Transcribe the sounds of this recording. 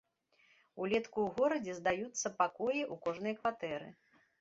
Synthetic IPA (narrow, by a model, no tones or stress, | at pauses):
ulʲɛt̪kuwɣɔɾɐd͡zʲɛzd̪ajut̪sːɐpakɔjiʔukɔʐnɨjɐkvat̪ɛɾɨ̰